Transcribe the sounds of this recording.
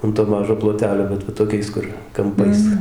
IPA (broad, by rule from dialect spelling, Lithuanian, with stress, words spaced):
ɐn toː ˈmɑːʒoː plˠoːˈtʲæːlʲoː bʲɛt ʋɐ toːˈkʲɛɪs kʊr kɐmˈpɐɪs